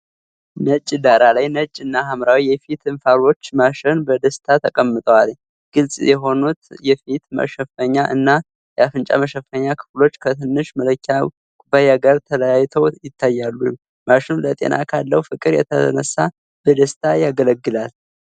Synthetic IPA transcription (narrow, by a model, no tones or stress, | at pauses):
nət͡ʃʼːd̪aɾalajnət͡ʃʼːɨnːaɦamɾawijɛfit̪ɨnfaɾo̞t͡ʃːmaʃɪnbəd̪əst̪ʰat̪ʰəkʼəmːɨt̪ʼəwal | ɡ̥ɨlsʼjɛɦo̞nut̪jɛfit̪mə̰ʃɛfəɲːaʔɨnːa | jɛafɨnt͡ʃʼa̰məʃɛfːəɲːakʰɨ̥flo̞t͡ʃːkʰət̪ʰɨnːɨʃmələkʰːa | kʼubajaɡəɾt̪ʰələjajːt̪ʰəwjɪt̪ːajːalːu | maʃɪnlət̪ʼḛnʔa̰kʰalːəwufɨkʼɨɾjɛ̰t̪ʰənəsːa | b̥əd̪əst̪ʰajaɡələɡːɨlal